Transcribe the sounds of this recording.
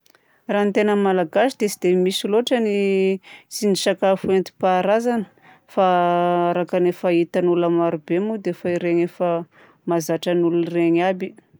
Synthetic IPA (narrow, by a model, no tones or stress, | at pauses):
rant̪enəmalaɡasid̪̥esid̪emisiloʈ͡ʂəni | t͡siniʃakafuent̪i̥paɾazanə̥ | faaɾakanefait̪anulamaɾubemud̪efaiɾeɲefə | mazaʈ͡ʂənulunreɲabi